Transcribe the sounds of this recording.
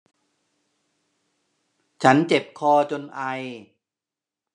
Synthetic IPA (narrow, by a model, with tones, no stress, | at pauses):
t͡ɕʰa˦˥nt͡ɕe˨˩p̚kʰɔː˧t͡ɕo˧nʔa˧j